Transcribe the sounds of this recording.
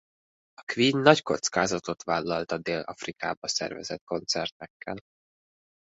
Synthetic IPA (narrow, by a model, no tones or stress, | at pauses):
ɒkʋiːɲnɒcko̞t̪skaːzɒt̪o̞t̪ʋaːlːɒlt̪ɒd̪eːlɒ̰frika̰ːbɒsɛ̰rvɛ̰zɛt̪ko̞nt̪sɛrt̪ɛkʰːɛl